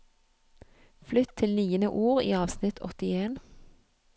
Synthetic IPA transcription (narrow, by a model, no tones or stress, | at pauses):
flʏt̪ʰɪlnyːənəʔuːʁḭːɑːʋsnɪt̪ʰɔ̰t̪ɪeːn